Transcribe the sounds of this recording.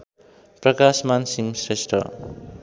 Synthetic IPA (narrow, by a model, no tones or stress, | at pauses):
prʌkasmansiŋsresʈʰʌ̰